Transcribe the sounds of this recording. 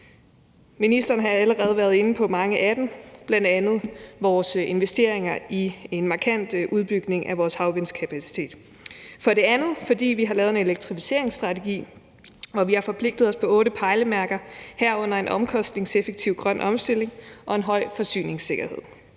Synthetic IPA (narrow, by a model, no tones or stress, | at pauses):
minisd̥ɐːn̩ɦɑ̈æləʁɛːð̞̩ˠʋæɐð̞̩ˠe̝nəpʰɒ̽mɑ̈ŋəʔæd̥m̩b̥lænd̥ænð̞̩ˠʋɒːse̝nʋesd̥e̝ɐ̰e̝ŋɐie̝nmɑ̈kʰæn̰d̥ʔuð̞ˠb̥yɡ̥ne̝ŋʔæʋɒːshɑ̈ʊʋenskʰæpʰæsi̥t͡sʰe̝̰ːd̥ | fɒ̽ɾe̝ænð̞̩ˠfɒ̽d̥ḭːʋiɦɑ̈lɛːʊe̝ne̝leɡ̥̚t͡sʰʁifi̥se̝ɐ̰e̝ŋsd̥ʁɑ̈t͡sʰe̝ɡ̥ḭː | ɒ̽ʋihɑ̈fɒ̽pʰle̝ɡ̥̚d̥ð̞̩ˠɒ̽spʰɒ̽ɔ̽ːɾəpʰɑ̈ɪləmæɐɡ̥ɐhæɐ̰ɔ̽n̰ɐe̝nʔɒ̽mkʰɒ̽sd̥ne̝ŋsefeɡ̥̚t͡sʰiʊɡ̥ʁɶnʔɒ̽msd̥e̝l̰e̝ŋʔɒ̽e̝nɦɒ̽ɪ̰fɒ̽sy̰ːne̝ŋse̝ɡ̥ɐhe̝ð̰ˠ